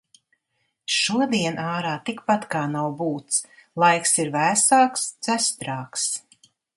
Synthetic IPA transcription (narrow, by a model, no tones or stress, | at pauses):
ʃuɔd̪iɛnaːɾaːt̪ikpat̪kaːnawbuːt̪slˠajksiɾvæːsaːkst̪sæst̪ɾaːks